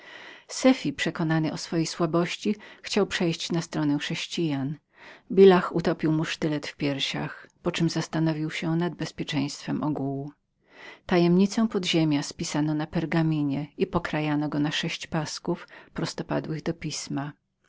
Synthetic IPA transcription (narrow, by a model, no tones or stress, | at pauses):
sɛfʲipʂɛkɔnanɘʔɔsfɔjejswabɔɕt͡ɕixt͡ɕawpʂɛjɕt͡ɕnast̪ɾɔnɛxʂɛɕt͡ɕijan | bʲilaxut̪ɔpʲiwmuʂt̪ɘlɛt̪fpʲjɛɾɕa̰xpɔt͡ʂɘmzast̪anɔvʲiwɕɛnad̪̚bɛspʲjɛt͡ʂɛ̃j̃st̪fɛmʔɔɡuwu | t̪ajɛmɲit̪sɔ̃w̃pɔd̪ʑemʲjaspʲisanɔnapɛɾɡamʲiɲɛipɔkɾajanɔɡɔnaʂɛɕt͡ɕpaskufpɾɔst̪ɔpa̰d̪wɘɣd̪ɔpʲisma